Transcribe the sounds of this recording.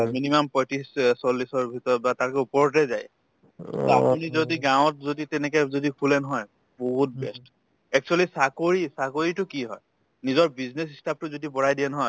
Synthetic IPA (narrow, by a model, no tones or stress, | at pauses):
minimampɔjtissɔlːisɔɹbʱitɔɹɔt̚bataɹkɛupɔɹɔtɛzaj | a̰punizodiɡãw̃ɔtzoditɛnɛk̬ɛzodikʰulɛnɔɦɔj | boɦut̚bɛst | ɛk̚t͡ʃualisakoɹisakoɹitʊkiɦɔj | nizɔɹbiznes̬istʰap̚tʊzodibɔɹajdiɛnɔɦɔj